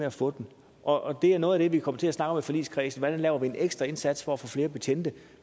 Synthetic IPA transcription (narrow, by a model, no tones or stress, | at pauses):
eæfɔ̽ːd̥n | ʔɒ̽ʔd̥e̝æɐnɔ̽ːð̞̩ˠæd̥e̝ʋikʰɒ̽mət͡sʰe̝æsnɑ̈ɡ̥ɒ̽mefɒ̽lḭskʰʁɛːsn̩ʋɒdænlɛːʊɐʋie̝neɡ̥sd̥ʁɐe̝nsæd̥sfɒ̽æfɔːfle̝ːɐb̥e̝t͡sʰen̰d̥ə